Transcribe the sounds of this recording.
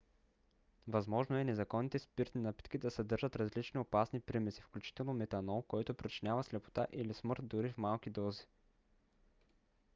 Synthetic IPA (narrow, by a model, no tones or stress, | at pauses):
vɐzmɔʒnoɛnɛzɐkɔnːit̪ɛspiɾt̪inapi̥t̪kid̪ɐsɐd̪ɤɾʒət̪ɾɐzlit͡ʃniopasnipɾimɛsi̥fklʲut͡ʃi̥t̪ɛlˠnomɛt̪ɐnɔlˠkɔjt̪opɾit͡ʃinʲavɐslɛpo̥t̪aʔilismɤɾt̪̚d̪ʊɾifmalˠk̟id̪ɔzi